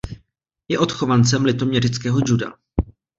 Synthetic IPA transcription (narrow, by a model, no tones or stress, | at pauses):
jɛʔo̞t̪xo̞vant͡sɛmlɪt̪o̞mɲɛrɪt͡skɛːɦo̞d͡ʒuda̰